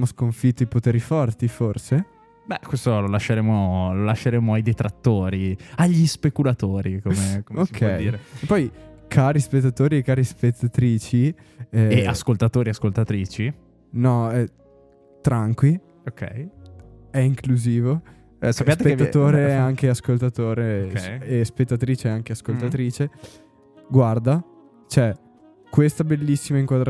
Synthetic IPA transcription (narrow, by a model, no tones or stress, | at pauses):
moskoɱfit̪ːoipot̪eːɾifɔrt̪iforse | bɛkwest̪ololaʃːeɾeːmololaʃːeɾeːmoajd̪et̪ɾat̪ːoːɾiaʎːispekulat̪oːɾikomeookʰːɛd̪iːɾeepːɔjkʰaːɾispet̪ːat̪oːɾiekːaːɾispet̪ːat̪ɾiːt͡ʃi | ɛeaskolt̪at̪oːɾiaskolt̪at̪ɾiːt͡ʃi | nɔɛ | t̪ɾaŋkwi | okɛ̰j | ɛiŋkluziːvo | ɛsapːjat̪epeːat̪oːɾeːaŋk̟easkolt̪at̪oːɾeɛespet̪ːat̪ɾiːt͡ʃeaŋkeaskolt̪at̪ɾiːt͡ʃe | ɡward̪a | t͡ʃoɛ | kwest̪abelːisːimaiŋkwad̪ɾ